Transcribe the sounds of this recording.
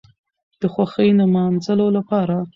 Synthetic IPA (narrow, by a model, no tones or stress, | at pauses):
d̪̥əxwaxəjnamɑnzəlolapɑɾa